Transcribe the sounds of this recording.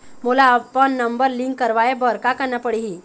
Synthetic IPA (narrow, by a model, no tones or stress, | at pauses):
mulaːpəɳːəmbəɾliŋkːəɾʋajebəɾkakəɳapəɽiɦi